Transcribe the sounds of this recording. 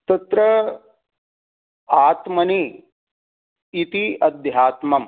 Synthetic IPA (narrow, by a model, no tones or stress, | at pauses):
t̪ɐt̪ɾɐ | aːt̪mɐni | t̪iɐd̪ʱjaːt̪mɐm